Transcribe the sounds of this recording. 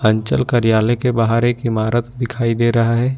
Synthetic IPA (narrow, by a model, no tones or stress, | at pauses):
ə̃ɲt͡ʃəlkəɾijaːlekebaɦaɾekɪmaːɾət̪d̪ɪkʰaːid̪eːɾɐɦaɦɛː